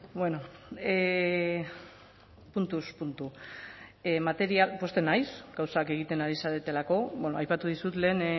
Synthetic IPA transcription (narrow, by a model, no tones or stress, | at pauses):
bweno̞e | punt̪uspunt̪u | emat̪e̞ɾiapo̞st̪e̞najsɡ̥awsake̞ɣ̞it̪e̞naɾisaɾet̪e̞lako̞be̞noajpat̪uð̞isut̪le̞ːn